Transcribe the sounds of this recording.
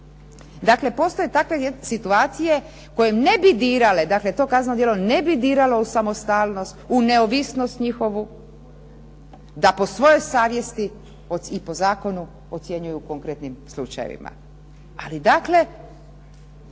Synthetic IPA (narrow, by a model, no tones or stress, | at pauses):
d̪akle̞po̞st̪ojet̪akʋe̞sit̪uaːt̪sije̞ | ko̞jemne̞bid̪iːɾale̞d̪aklet̪o̞ːkazanod̪jelone̞bid̪iːɾalo̞usamo̞st̪aːlˠno̞st̪une̞oʋisno̞st̪ɲixo̞ʋu | d̪apo̞sʋo̞jo̞jsaːʋje̞st̪i | oipo̞zaːko̞nu | ot̪sje̞ɲujukoŋkɾet̪nimslˠṵt͡ʃajḛʋḭma̰ | a̰lid̪akle̞